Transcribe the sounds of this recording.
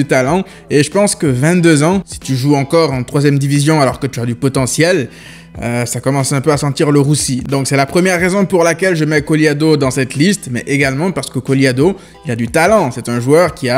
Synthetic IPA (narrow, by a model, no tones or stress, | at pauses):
ət̪alɑ̃ | eʒəpɑ̃skəvɛ̃t̪d̪øzɑ̃si̥t̪yʒuɑ̃kɔʁɑ̃t̪χwazjɛmd̪ivizjɔ̃alɔʁkət̪yad̪ypɔt̪ɑ̃sjɛl | øsakɔmɑ̃sɛ̃pøasɑ̃t̪iʁləʁusid̪ɔ̃ksɛlapχəmjɛʁːezɔ̃puʁlakʲɛlʒəmɛkɔliad̪od̪ɑ̃sɛt̪list̪mɛ̰ʔeɡalmɑ̃paʁsə̥kəkɔliad̪o | ilad̪yt̪alɑ̃sɛt̪ɛ̃ʒwœʁkʲia